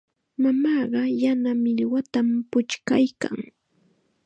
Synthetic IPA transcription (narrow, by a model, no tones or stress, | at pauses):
mamɑːɢɑjanamɪʎwat̪ampʊt͡ʃkajka̰ŋ